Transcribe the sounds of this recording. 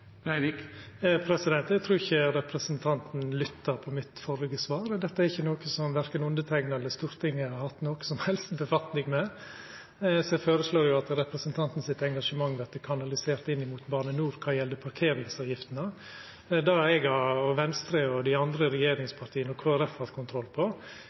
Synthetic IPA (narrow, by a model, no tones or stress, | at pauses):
æɾɪk | pʰɾɛsɪd̪ɛnt̪ɛɡt̪ʰɾuːɾɪçːəɾɛpɾəsənt̪ʰɑnt̪n̩lʏt̪ːɑɾpʰɔmɪt̪fɔɾɡəsʋɑːɾd̪ɛt̪ːəæɾɪçːənoːkəsɔmʋæɾkənʉnd̪ət̪ʰæŋnəɛlːəst̪uːɾt̪ʰɪŋːəhɑɾhɑt̪ːnoːkə̥sɔmhɛlst̪bəfɑt̪nɪŋmɛ | sɔɛføːɾəsloːɾjʊɑt̪ɾɛpɾəsənt̪ʰɑnt̪n̩sɪt̪ɛŋɡɑʂəmɑŋːʋæɾt̪əkʰɑnɑlɪseːɾt̪ɪnːɪmuːt̪bɑːɳənuːɾkʰɑːjɛld̪əpʰɑɾkʰeːɾɪŋsɑːʋjɪft̪nə | d̪ɑɾɛɡɑɔʋɛnst̪ɾəɔd̪ɪɑnd̪ɾəɾɛjeːɾɪŋspʰɑɾʈ̪ʰiːənɔkʰʋɑːɾɛfhɑt̪kʰʊnt̪ʰɾɔlːpʰɔ